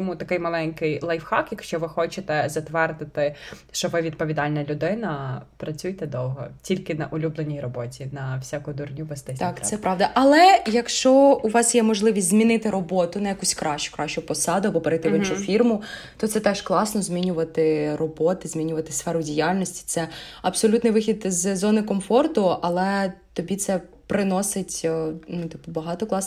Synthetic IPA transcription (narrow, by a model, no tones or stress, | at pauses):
tɔmut̪ɐkɪjmɐlˠɛnʲkɪjlˠɐjfxɑkjɐkʃt͡ʃɔʋɪxɔt͡ʃet̪ɛzɐt̪ʋɛrd̪ɪt̪ɪʃt͡ʃɔʋɪʋʲid̪̚pɔʋʲid̪ɑlʲnɐlʲʊd̪ɪnɐpɾɐt͡sʲujt̪ɛd̪ɔwɦɔ̰tʲilʲkɪnɐʔʊlʲublˠenʲijrɔbɔtʲinɐwsʲakʊd̪ʊrnʲuʋest̪ɛsʲt̪ɑksɛpɾɑʋd̪ɐʔɐlˠɛjɐkʃt͡ʃɔuʋɑsjɛmɔʒlˠɪʋʲisʲzmʲinɪt̪ɪɾɔbɔt̪ʊnɐjɐkusʲkɾɑʃt͡ʃʊ̥kɾɑʃt͡ʃʊpɔsɑd̪ʊɐbɔpeɾɐjt̪ɪʋɪnt͡ʃʊfʲirmʊ | t̪ɔt̪sɛt̪ɛʃklˠɑsnɔzʲmʲinʲʊʋɐt̪ɪrɔbɔt̪ɪzʲmʲinʲʊʋɐt̪ɪ̥sfɛɾʊdʲijalʲnɔsʲtʲi̥t̪sɛɐpsɔlʲut̪nɪjʋɪxʲid̪zzɔnɪkɔmfɔrt̪ʊɐlˠɛt̪ɔbʲit̪sɛ | pɾɪnɔsɪtʲnut̪ɪpʊbɐɦɑt̪ɔklˠɑs